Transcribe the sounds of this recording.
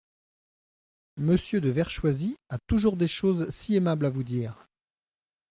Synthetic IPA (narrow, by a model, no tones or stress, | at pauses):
məsjød̪əvɛʁʃwaziat̪uʒuʁd̪eʃozsiemablavud̪iːʁ